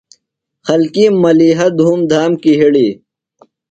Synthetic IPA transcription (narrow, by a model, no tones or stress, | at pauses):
xɐlkimɐliːɦɐd̪ʱuːmd̪ʱaːmkiɦiɽiː